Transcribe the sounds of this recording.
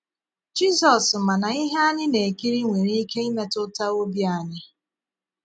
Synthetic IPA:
d͡ʒi˦zɔ˨sma˨na˨i˦ɦe˦a˦ɲɪ˦ne˨ki˦ɾi˦ŋʷe˨ɾi˦i˦ke˦i˦me˦tʊ˦ta˦o˦bi˦a˦˨ɲɪ˦

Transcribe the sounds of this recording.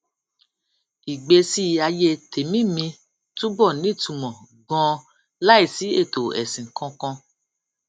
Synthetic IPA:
i˨ɡ͡be˧si˦˨a˧je˧tʰe˨mĩ˦mĩ˧ | tũ˦ɡ͡bɔ˦˨nĩ˨˦˨tũ˧˨mɔ̃˨ | ɡɔ̃˧˦ | la˦i˦˨si˨˦e˦˨to˨ɛ̰˨sĩ˨kʰɔ̃˧kɔ̃˧

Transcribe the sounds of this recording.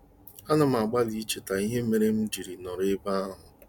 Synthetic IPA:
a˦na˨m˨a˨ɡ͡ba˦li˦t͡ʃe˨ta˨i˦ɦe˦me˦ɾe˦m̩˦d͡ʒi˨ɾi˨nɔ˨ɾɪ˦ba˦a˦ɦʊ˨

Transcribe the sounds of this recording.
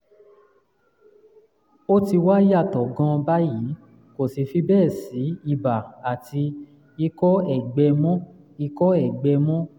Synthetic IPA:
o˦ti˧wa˦a˦˨tɔ˨ɡã˧ba˦ji˨˦ | ko˨si˧fi˧bɛː˦˨si˨˦i˧˨ba˨a˨ti˧ | i˧kɔ˦ɛ˨ɡ͡bɛ˧mɔ̃˦ | i˧kɔ˦ɛ˦˨ɡ͡bɛ˧mɔ̃˦

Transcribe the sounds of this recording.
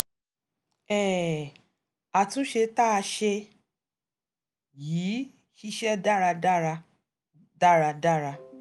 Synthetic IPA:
ɛ˦˨ | a˨tũ˨˦ʃe˧ta˦a˧ʃe˧ | jiː˨˦ | ʃi˧ʃɛ˦da˦ɾa˧da˦ɾa˧ | da˦ɾa˧da˦˨ɾa˧

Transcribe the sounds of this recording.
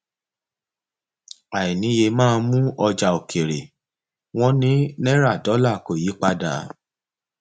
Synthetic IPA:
a˨i˨nĩ˨˦je˧mãː˦˧mũ˦ɔ˧d͡ʒa˧o˨kʰe˨ɾe˨ | w̃ɔ̃˦nĩ˦nɛ̃˦ɾa˦˨dɔ˨˦la˦˨ko˨ji˨˦k͡pa˧da˨˦

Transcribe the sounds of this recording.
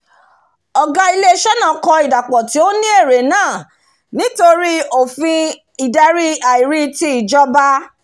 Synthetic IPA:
ɔ˨ɡa˧i˧le˦ʃɛ˦nã˦˨kɔ˧i˨da˨k͡pɔ˨ti˨˦o˦nĩ˦e˦˨ɾe˨˦nãː˦˨ | nĩ˨˦to˧ɾi˦o˦˨fĩ˧ | i˨dɛ˧ɾi˦a˨i˨ɾi˧ti˧˦i˨d͡ʒɔ˦ba˦

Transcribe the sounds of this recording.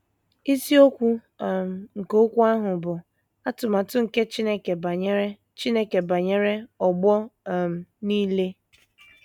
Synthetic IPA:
i˦si˦o˦kʷu˦˨ | m̩˨ŋ̩˨ko˦kʷu˦a˦ɦʊ˨bʊ˨ | a˦tʊ˨ma˨tʊ˦ŋ̩˨ke˦t͡ʃi˦ne˦ke˨ba˨ɲ˦e˦ | t͡ʃi˦ne˦ke˨ba˨ɲe˦ɾe˦ɔ˨ɡ͡bɔ˦˨m̩˨niː˦le˦

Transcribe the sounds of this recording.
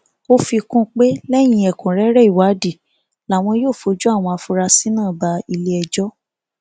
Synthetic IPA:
o˦fi˧kũ˦k͡pe˦lɛ˦j̃ĩ˧ɛ˨kũ˨ɾɛ˨˦ɾɛ˦i˦˨wa˨˦di˦˨ | la˨w̃ɔ̃˧joː˦˨fo˧d͡ʒu˦a˦˨w̃ɔ̃˧a˧fu˧ɾa˧si˦nãː˦˨ba˧i˧le˦ɛ˧d͡ʒɔ˦

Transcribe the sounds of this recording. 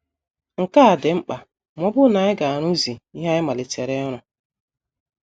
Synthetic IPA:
ŋ̩˨ka˦a˨dɪ˨ŋ͡m̩˦k͡pa˨ | mɔ˦bʊ˦na˨˦ɪ˦ɡa˨a˨ɾʊ˦zi˨i˦ɦa˦ɪ˦ma˨lɪ˨te˨ɾe˦ɾ̃ʊ˨

